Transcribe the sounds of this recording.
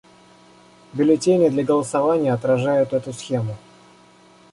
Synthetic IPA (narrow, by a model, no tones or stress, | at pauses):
bʲɪlʲɪtʲenʲɪjəd̪lʲɐɡəlˠəsɐvanʲɪjəɐt̪ɾɐʐajʊt̪ɛt̪ʊsxʲemʊ